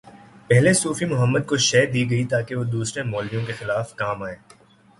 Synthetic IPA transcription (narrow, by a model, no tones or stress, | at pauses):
pɛɦlesuːfimʊɦəmːəd̪̚koʃɛːd̪iːɡɐit̪aːkeʋod̪uːsɾemɔːlb̪ijõkexɪlaːfkaːmaːeː